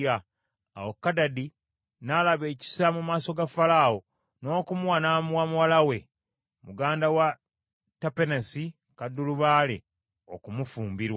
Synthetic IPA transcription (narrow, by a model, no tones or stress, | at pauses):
a | a̰wokːadadi | nalaβeːci̥samumaːso̞ɡafalao | no̞ːkumuwanamwamuwalawe̞ | muɡaːndawa | tapenesi | kadːuluβaːlḛ | okumufuːmbiɾwa